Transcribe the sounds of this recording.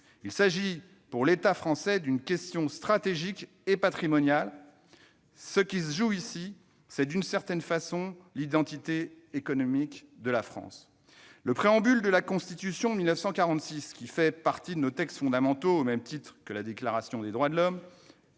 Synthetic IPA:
ilsaʒi | puʁlet̪afχɑ̃sɛd̪ynkʲɛst̪jɔ̃st̪χat̪eʒik | epat̪χimɔnjal | səkʲisʒuisi | sɛd̪ynsɛʁt̪ɛnfasɔ̃lid̪ɑ̃t̪it̪eː | kɔnɔmikd̪əlafχɑ̰̃s | ləpχeɑ̃byld̪əlakɔ̃st̪it̪ysjɔ̃milnəfsɑ̃kaʁɑ̃t̪siskʲifɛpaʁt̪id̪ənot̪ɛkst̪fɔ̃d̪amɑ̃t̪oomɛmt̪it̪χkəlad̪eklaʁasjɔ̃d̪ed̪ʁwad̪əlɔm

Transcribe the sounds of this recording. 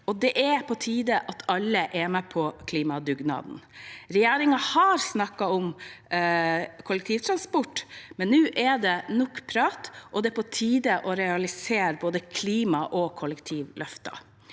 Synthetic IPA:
ɔd̪ɛʔɛpʰɔt̪ʰiːd̪əʔɑt̪ʰɑlːəʔɛmɛpʰɔkʰliːmɑd̪ʉɡnɑ̰ːd̪n̩ɾɛjeːɾɪŋɑhɑɾsnɑkːɑɔm | kʰʊlɛk̚t̪ʰiːʋt̪ʰɾɑnspɔʈmɛnːʉːʔɛɖ̪ɛnɔkːpʰɾɑːt̪ʔɔd̪ɛpɔt̪ʰiːd̪əʔɔɾɛɑlɪseːɾboːd̪əkʰliːmɑʔɔkʰɔləkt̪ʰiːʋlʔœft̪ɑ̰

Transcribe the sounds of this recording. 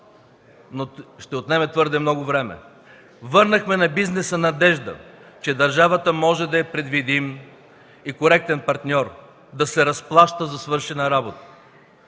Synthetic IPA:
noʃt̪ɛot̪nɛmɛt̪vɤɾd̪ɛmnɔɡʊvɾɛmɛ̰ | vɤɾnəxmɛnɐbiznɛsənɐd̪ɛʒd̪ə̰t͡ʃɛd̪ɐɾʒavət̪əmɔʒɛd̪ɐjɐpɾɛd̪vid̪im | ikoɾɛk̚t̪ɛnpɐɾt̪nʲɔɾ | d̪ɐsɛɾɐsplˠaʃt̪əzɐsvɤɾʃɛnɐɾabot̪ə̥

